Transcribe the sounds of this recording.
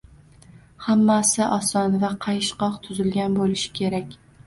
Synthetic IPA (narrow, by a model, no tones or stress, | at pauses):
hamːasɪʔɒsɒnvaqʰɑjʃqɒqt̪ʰʊzɪlɡʲanbolɪʃɪ̥kʲʰe̞ɾakʲ